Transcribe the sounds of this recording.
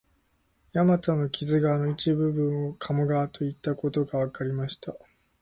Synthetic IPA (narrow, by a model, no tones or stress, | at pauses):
jamat̪ano̞kʲʰizɨɡaːno̞it͡ɕibɯ̟bɯ̟̃ɰ̃okʰamoɡaːt̪o̞it̪ːako̞t̪o̞ɡaβakaɾʲimaɕi̥t̪a